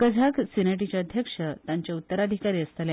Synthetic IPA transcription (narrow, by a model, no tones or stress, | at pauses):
kəd͡zʱaksinaʈit͡ɕaəd̪ʱjəkʂət̪jaɲt͡ɕaut̪ːəɾad̪ʱikaɾiːəst̪əle